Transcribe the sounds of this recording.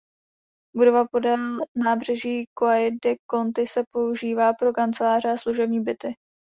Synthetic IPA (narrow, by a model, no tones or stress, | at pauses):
budo̞vapo̞dɛlnaːbr̝̥ɛʒiːkoajdɛko̞nt̪ɪsɛpo̞uʒiːvaːpɾo̞kant͡sɛlaːrɛasluʒɛbɲiːbɪt̪ɪ